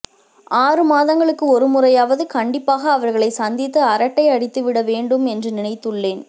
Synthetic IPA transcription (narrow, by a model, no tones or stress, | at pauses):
aːrɯmaːðɐŋɡɐɭɯkːɯɔɾɯmʊrɐjaːʋɐðɯkɐɳɖɪpːaːɣɐːʋɐɾɣɐɭɐɪsɐnd̪ɪt̪ːɯɐɾɐʈːɐɪɐɽɪt̪ːɯʋɪɽɐʋeːɳɖɯmɛndrɯnɪnɐɪt̪ːɯɭːeːn